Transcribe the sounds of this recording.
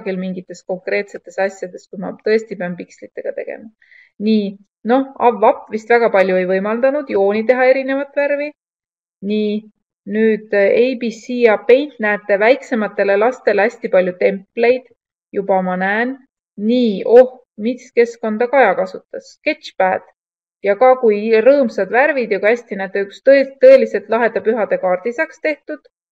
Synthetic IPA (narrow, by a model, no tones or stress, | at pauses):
ɡilmiŋɡ̥it̪ːˑe̞sko̞ŋkre̞ːt̪se̞t̪ːˑe̞sɑsʲjɑd̪̥e̞skumɑ̰t̪ɤ̞e̞st̪ipeɑnpikslit̪ːˑe̞ɡ̥ɑt̪e̞̰ɡ̥ḛmɑ | niː | no̞hɑvːɑpːvist̪væɡ̥ɑpɑlʲjue̞jvɤjmɑld̪ɑnud̪̥jo̞ːnit̪̬e̞ɦɑe̞ɾine̞vɑt̪ːˑværvi | niː | nyːd̪̥ejbisiɑpe̞jnt̪næːt̪ːˑe̞væjkse̞mɑt̪ːˑe̞le̞lɑst̪e̞læsʲt̪ipɑlʲjut̪e̞mpːle̞jd̪̥ | jub̥ɑmɑnæːnː | iːo̞h | miske̞sko̞nd̪̥ɑkɑɑjɑkɑsut̪ːˑɑske̞t̪t͡ʃpæːd̪̥ | jɑkɑkujrɤːmsɑd̪væɾvid̪jɑkuæsʲt̪inæːt̪ːˑeykst̪t̪ːɤ̞e̞lise̞lt̪ˑlɑɦe̞d̪ɑpyɦɑd̪̥e̞kɑːrd̪̥isɑkst̪e̞ht̪ud̪̥